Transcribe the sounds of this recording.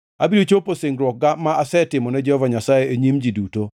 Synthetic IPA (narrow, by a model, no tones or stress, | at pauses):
abiɾot͡ʃoposɪŋɡɾwɔk̚ɡamaasɛtɪmɔnɛd͡ʒɛhɔvaɲasajeeɲimd͡ʒiduto